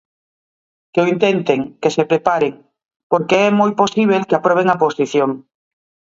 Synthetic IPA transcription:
keoint̪ent̪eŋkesepɾepaɾeŋ | poɾkeɛmojposiβ̞elkeapɾɔβ̞eŋaposiθjoŋ

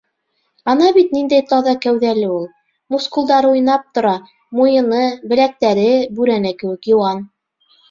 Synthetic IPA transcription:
ɑnɑβit̪nind̪æjt̪ɑðɑkæwðælɘulˠ | muskulˠd̪ɑɾɤujnɑp̚t̪ŏɾɑ | mujɤ̆nɤbɘ̆læk̚t̪æɾɘbʉɾænækɘ̆wɘ̆kjŏwɑn

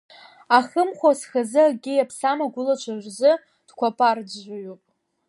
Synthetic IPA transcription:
aχəmχʷasχazɨaɡʲɪjapʰsamaɡʷʊlat͡ʃʷʰarzɨ | d̥kʷʰapʼard͡zʒʷajupʼ

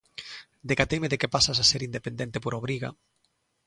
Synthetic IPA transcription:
d̪ekat̪ejmeðekepasasaseɾind̪epend̪ent̪epoɾoβɾiɣa̰

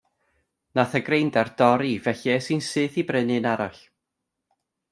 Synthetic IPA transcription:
naθəɡrejndard̥ɔɾivɛɬɛsɨnsɨːθibrɪnɨnaɾaɬ

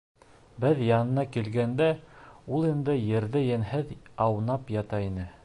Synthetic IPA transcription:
bɘðjɑnɤ̆nɑkilɡænd̪æulˠind̪ɘjɘ̆ɾðɘjɘ̆nɦɘðɑwnɑpjɑt̪ɑinɘ

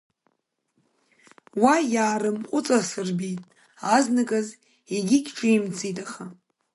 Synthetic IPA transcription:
wajaːɾɨmqʷʼʊt͡sʼasɨrbitʼ | aznɨkʼaz | eɡʲikʲʈ͡ʂʷʰʼɨimt͡sʰʼijtʼaχa

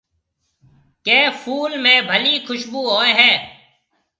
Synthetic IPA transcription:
keːfʰuːlmẽːbʱəliːkʰʊʃbuːɦoːeɦɛː

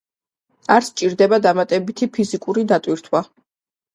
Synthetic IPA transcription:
aɾst͡ʃʼiɾd̪ɛbad̪amat̪ʼɛbit̪ʰipʰizikʼuɾid̪at̪ʼwiɾt̪ʰwa

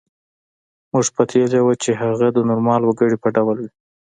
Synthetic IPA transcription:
muʐpat̪ʰezawat͡ʃeɦaɣad̪ənʊɾmɑlwəɡəɽipəɖawlwi

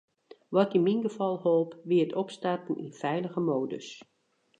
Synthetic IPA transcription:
ʋɔtinminɡəfɑlˠholˠpʋiətɔpstartn̩ʔḭnfɛjləɣəmoːdə̰s

